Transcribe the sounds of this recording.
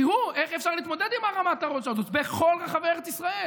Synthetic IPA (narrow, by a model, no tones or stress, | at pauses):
ihue̞χefʃaʁliːt̪mo̞d̪ed̪imaʁamat̪aʁot̪ʃeazot̪beχo̞lʁaχaveeʁet͡sisʁae̞l